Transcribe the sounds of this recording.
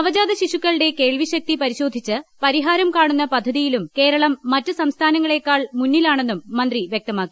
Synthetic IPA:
ɐʋɐd͡ʑaːd̪ɐɕiʂukːɐɭɽe̞ke̞ːɭʋiɕɐk̚t̪ipɐɾiɕo̞ːd̪ʱit͡ɕːɨpɐɾiɦaːɾɐmkaːɳunːɐpɐd̪ʱːɐðijilumke̞ːɾɐɭɐmːɐtːɨsɐmst̪ʰaːnɐŋːɐɭe̞kːaːɭmunːilaːɳe̞nːumːɐnd̪riʋjek̚t̪ɐmaːkːi̥

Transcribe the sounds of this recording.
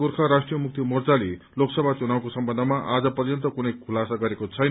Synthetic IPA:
urkʰaɾasʈrijʌmuk̚t̪imord͡zali | loksʌbʱat͡sunaw̃kosʌmbʌnd̪ʱʌmaʔad͡zʌpʌrjʌnt̪ʌkunʌjkʰulasaɡʌɾekot͡sʰʌjn

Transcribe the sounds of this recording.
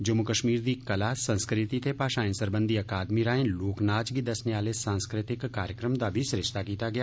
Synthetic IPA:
d͡ʒɐmːukəʃmiːɾd̪ikɐlasə̃nskɾɪt̪it̪epaːʃãːɪ̃nsəɾbə̃nd̪iɐkaːd̪miɾaːɦẽːloːknaːd͡ʒɡid̪ɐsneaːlesãːnskɾɪt̪ɪkːaːɾjəkɾəmd̪abʱisʊɾɪʃt̪akiːt̪aɡɪjaː

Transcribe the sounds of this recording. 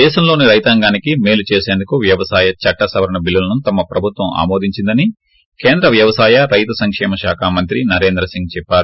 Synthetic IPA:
d̪ɛːʃɐmlo̞ːniɾɐjt̪aŋɡaːnikime̞ːlut͡ʃeːse̞ːnd̪ukuʋjɐʋɐsaːjɐt͡ʃɐʈːɐsɐʋɐɾɐɳɐbilːɐlɐnut̪ɐmɐpɾɐbʱut̪ʋɐma̰ːmo̞ːd̪iɲt͡ʃind̪ɐni | ke̞ːnd̪ɾɐʋjɐʋɐsaːjɐɾɐjt̪ɐsɐŋkʂɛːmɐʃaːkʰaːmɐnt̪ɾinɐɾe̞ːnd̪ɾɐsiŋɡ̚t͡ʃɛpːaːɾu

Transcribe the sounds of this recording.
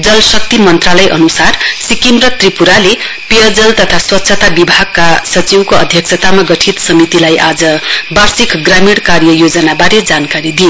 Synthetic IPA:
d͡zʌlsʌk̚t̪imʌnt̪ralʌjʔʌnusarsikimrʌt̪ripuɾale | peʌd͡zʌlt̪ʌt̪ʰaswʌt̪ːsʰʌt̪abibʱaɡ̚kasʌt͡siwkoʌd̪ʱjʌksʰʌt̪amaɡʌʈʰit̪sʌmit̪ilajʔad͡zʌbarsikɡramiɽkarjʌjod͡zʌnabaɾed͡zankaɾid̪i

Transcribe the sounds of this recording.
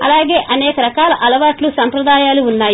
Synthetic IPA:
ɐ̰laːɡeːʔɐnɛːkɐɾɐkaːlɐʔɐlɐʋaːʈlusɐmpɾɐd̪aːjaːluunːaːj

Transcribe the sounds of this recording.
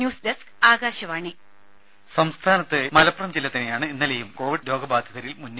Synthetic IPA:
njuːsdeskaːɡaːɕɐʋaːɳi | sɐmst̪ʰaːnɐt̪ːɨmɐlɐprɐmd͡ʑilːɐt̪ːɐnejaːɳɨinːɐlejumko̞ːʋiɖlo̞ːɡɐbaːd̪ʱjɐðɐɾilmunː

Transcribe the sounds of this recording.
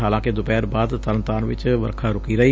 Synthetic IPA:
ɦaːlãːked̪ʊpɛːɾbaːd̪t̪əɾənt̪aːnʋɪ̰t͡ʃʋə̰ɾkʰaːɾʊkiːɾəiː

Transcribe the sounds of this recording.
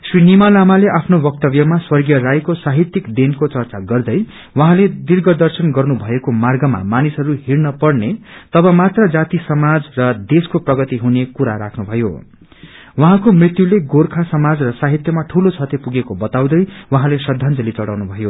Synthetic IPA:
srinimalamaleʔapʰnobʌk̚t̪ʌbjʌmaswʌrɡjʌrajkosaɦit̪jikd̪enkot͡sʌrt͡saɡʌrd̪ʌj | wʌɦãled̪irɡʌd̪ʌrsʌnɡʌrnubʱʌekomarɡʌma̰manisɦʌɾuɦirnʌpʌrnet̪ʌbʌmat̪rʌd͡zat̪isʌmad͡zrʌd̪eskoprʌɡʌt̪iɦunekuɾaɾakʰnubʱʌjo̰ | wʌɦãkomrit̪juleɡorkʰasʌmad͡zrʌsaɦit̪jʌmaʈʰulot͡sʰʌt̪epuɡekobʌt̪aw̃d̪ʌjwʌɦãlesʌd̪ʱːʌnd͡zʌlit͡sʌɽa̰wnubʱʌjo

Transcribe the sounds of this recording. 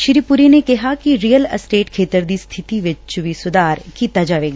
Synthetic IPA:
ʃɪɾipʊɾinekɛɦakiɾijələsʈeːʈkʰeːt̪əɾd̪ist̪ʰɪt̪iʋɪt͡ʃt͡ʃʊʋisʊd̪aːɾkit̪ad͡ʒaʋeːɡa

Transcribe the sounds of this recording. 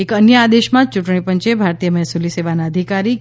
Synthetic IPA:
ekənjəad̪eʃmãt͡ʃuʈɳ̃ipəɲt͡ʃebʱaɾt̪ijəmɛɦsuliseʋanaəd̪ʱikaɾi

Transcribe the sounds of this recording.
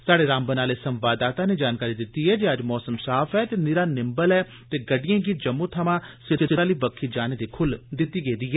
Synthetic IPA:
saːɽeːɾãːmbənaːleːsəmʋaːd̪aːt̪ãːneːd͡ʒaːnkaːɾiːd̪ɪt̪ːiːɦɛːd͡ʒeːəd͡ʒmɔːsəmsaːfʰɛːt̪eːnɪɾaːnɪmbəlɛː | t̪eːɡəɖɪjãːɡiːd͡ʒəmːõːt̪ʰəmãːsɪɪɪaːliːbəkʰːiːd͡ʒaːneːd̪eːkʰʊld̪ɪt̪ːiːɡeːd̪iːɦɛː

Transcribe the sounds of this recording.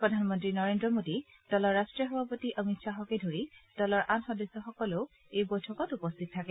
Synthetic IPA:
pɹɔdʱanmɔntɹinɔɹendɹɔmodi | d̥ɔlɔɹːastɹijɔxɔbʱapotiʔəmitsaɦɔkɛdʱoɹid̥ɔlɔɹʔanxɔdesːɔxɔkɔloʊ | ejbojtʰɔkɔtupɔstʰit̚tʰːakɛ

